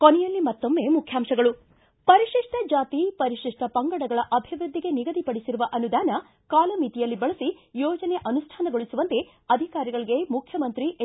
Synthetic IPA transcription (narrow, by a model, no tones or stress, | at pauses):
konɛjɐlːimɐt̪ːomːe̞ːmukʰjaːmʃɐɡɐɭu | pɐɾiʂiʂʈɐd͡ʒaːt̪ipɐɾiʂiʂʈʰɐpɐŋɡɐɽɐɡɐɭɐʔɐbʱiʋɾud̪ʱːiɡe̞niɡɐd̪ipɐɽisiɾuʋɐʔɐnud̪aːnɐ | kaːlɐmiːt̪ijɐlːibɐɭɐsijɔːd͡ʒɐneʔɐnusʈʰaːnɐɡoɭisuʋɐnt̪e̞ | ɐd̪ʱikaːɾiɡɐɭiɡe̞mukʰjɐmɐnt̪ɾiʔ